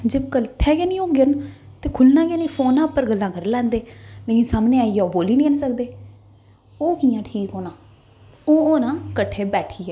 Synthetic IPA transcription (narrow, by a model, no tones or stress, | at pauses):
d͡ʒəbkəʈʰːɛːɡaːnĩːoːɡən | t̪eːkʰʊlnãːɡeːnĩːpʰoːnãːpːəɾɡəlːãːkəɾlɛ̃ːnd̪eːleːkɪnsaːmneːaːijaoːboːliːnĩːənsək̚d̪eː | oːkijãːʈʰiːkɦoːnãː | oːoːnãːkəʈʰːeːbɛːʈʰiːɛː